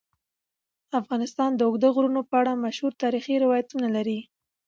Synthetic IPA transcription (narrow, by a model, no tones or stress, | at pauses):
afɣɑnɪst̪ɑnd̪əʊɡd̪aɣɾunopəaɽamaʃhuɾt̪ɑɾixiɾɪwɑjat̪unalaɾi